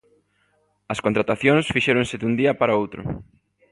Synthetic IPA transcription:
ɐskont̪ɾat̪aθjõŋsfiʃeɾoŋsɪd̪und̪iɐpaɾɐowt̪ɾʊ̰

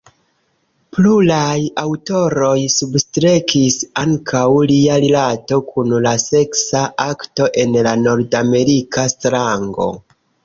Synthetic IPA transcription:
plulajawto̞ɾo̞jsubstɾekʰisaŋkʰawliaɾilato̞kʰunlase̞ksaʔakto̞ʔe̞nlano̞ɾdame̞ɾikastɾaŋɡo̞̰

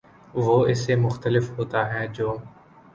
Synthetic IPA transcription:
ʋoːɪsemʊxt̪əlɪfɦoːt̪aɦɛːd͡ʒoː

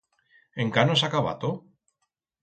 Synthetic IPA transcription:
eŋkanos̬akaβa̰t̪o

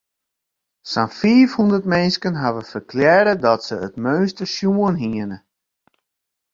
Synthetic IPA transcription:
sanfiːfhundərtmɛnskənɦaʋəfərklɛdədɔtsəətmøːnstəsjuənɦiənə

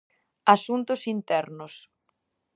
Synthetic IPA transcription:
asunt̪ʊsint̪ɛɾnʊs

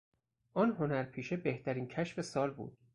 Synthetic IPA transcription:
ʔɒːnɦo̞næɾpʰiːʃebe̞ht̪ʰæɾiːncʰæʃfe̞sɒːlbṵːd̪̥̚

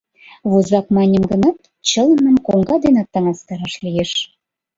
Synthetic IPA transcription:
βuzɑkmɑnʲə̆mɡə̆nɑt̪ | t͡ɕɤ̆lə̆mə̆mkoŋɡɑd̪enɑt̪ːɑŋɑst̪ɑɾɑʃlijeʃ

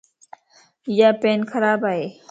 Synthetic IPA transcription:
jaːpeːnkʰɐɾaːbaːeː

